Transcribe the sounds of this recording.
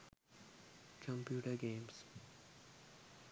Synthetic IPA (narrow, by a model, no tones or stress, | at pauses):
kə̃mpjuːʈəɾɡẽːms